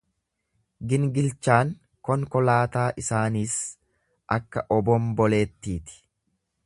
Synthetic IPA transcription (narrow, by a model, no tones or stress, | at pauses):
ɡɪnɡɪlt͡ʃːaːŋ | kɔŋkɔlaːt̪aːʔɪsaːniːs | ʔɐkːɐʔɔbɔmbɔle̞ːt̪ːiːt̪ɪ̥